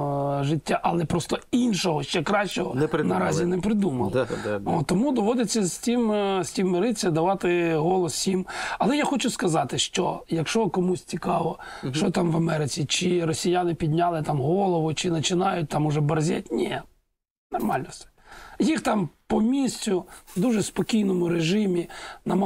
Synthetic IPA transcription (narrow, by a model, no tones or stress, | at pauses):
ʒɪtʲːaʔɐlˠɛpɾɔst̪ɔinʃɔɦɔʃt͡ʃɛkɾɑʃt͡ʃɔɦɔnɛnɐɾɑzʲinɛpɾɪd̪umɐ̰lˠɔɔmud̪ɔʋɔd̪ɪt͡sʲːɐzʲtʲimsʲtʲimːɪɾɪt͡sʲːɐd̪ɐʋɑt̪ɪɦɔlˠɔssʲimɐlˠɛjaxɔt͡ʃʊskɐzɑt̪ɪʃt͡ʃɔjɐkʃt͡ʃɔkɔmusʲt͡sʲikɑʋɔ | ʃt͡ʃɔt̪ɑmʋɐmɛɾɪt͡sʲit͡ʃɪɾɔsʲijanɪpʲid̪ʲnʲalˠɪt̪ɑmɦɔlˠɔʋʊt͡ʃɪnɐt͡ʃɪnɑjʊt̚ʲt̪ɑmʊʒɛbɐrzʲɛ̰t̚ʲnʲɛ | nɔrmɑlʲnɔst̪ɛ̥jixt̪ɑmpɔmʲisʲt͡sʲʊd̪uʒɛspɔkʲijnɔmʊɾeʒɪmʲinɐ